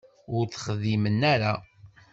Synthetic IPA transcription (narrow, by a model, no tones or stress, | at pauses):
ʊɾθə̥χəðimənːæɾa